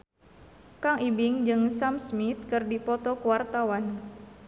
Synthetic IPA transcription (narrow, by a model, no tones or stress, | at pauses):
kaŋibɪŋd͡ʒɨŋsamsmit̪̚kɨrdipɔt̪ɔkəwart̪awan